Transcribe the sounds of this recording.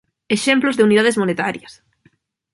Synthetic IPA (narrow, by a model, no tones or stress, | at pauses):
eʃemplozðeuniðaðezmonet̪aɾjɐs